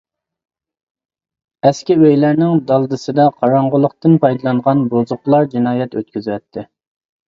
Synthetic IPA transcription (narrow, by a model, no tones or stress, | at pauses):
ɛskʲɪøjlæɾnɪŋd̪ɑlˠd̪ɨsɨd̪ɑqʰɑɾɑɴʁʊlˠʊqt̪ɨnpʰɑjd̪ɨlˠɑɴʁɑnbozʊχlˠɑɾd͡ʒinɑːjɛt̪ø̰t̪kʲʰyzwɛt̪ʰːɪ